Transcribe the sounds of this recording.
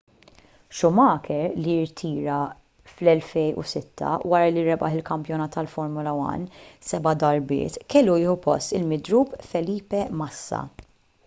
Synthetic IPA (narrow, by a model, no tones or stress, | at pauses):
ʃʊmɐːkʰɛɾliɪɾt̪ʰiːɾɐ | flɛlfɛjʔṵsɪt̪ʰːɐ̰wɐɾɐliɾɛbɐ̰ħɪlkɐmpjɔnɐːt̪ːɐlfɔɾmʊlɐwɐ̰nːsɛbɐd̪ɐɾbɪ̰ːt̪kɛlːujɪːħupɔ̰st̪ɪlmɪd̪ɾuːpfɛliːpɛmɐsːɐ̰